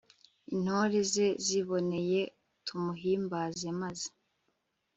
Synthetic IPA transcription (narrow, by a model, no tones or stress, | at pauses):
in̥hoɾeze̞ziβo̞ne̞je̞ | tʰumuɦiːmbaːze̞mazi̥